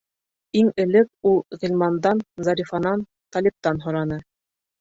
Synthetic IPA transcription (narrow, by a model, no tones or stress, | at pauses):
iŋɘ̆lɘk̚ulˠʁilʲmɑnd̪ɑnzɑɾʲifɑnɑn | t̪ɑlʲip̚t̪ɑnɦŏɾɑnɤ